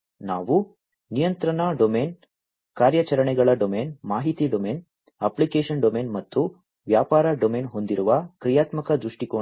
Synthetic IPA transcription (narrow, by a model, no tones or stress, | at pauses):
naːʋu | nijɐnt̪ɾɐɳɐɖomeːn | kaːɾjɐt͡ʃɐɾɐɳɛɡɐɭɐɖomeːnmaːɦit̪iɖomeːn | ɐplikeːʂɐnɖomeːnmɐt̪ːu | ʋjaːpaːɾɐɖomeːnɦo̞nd̪iɾuʋɐkɾijaːt̪mɐkɐd̪ɾuʂʈikoː